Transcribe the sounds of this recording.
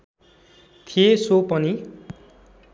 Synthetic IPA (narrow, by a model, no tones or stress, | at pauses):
t̪ʰijesopʌni